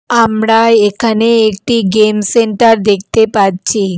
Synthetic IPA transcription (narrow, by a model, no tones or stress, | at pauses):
amɽaekʰaneːkʈiɡemseɳʈəɾd̪ekʰt̪epad̪̚t͡ɕʰi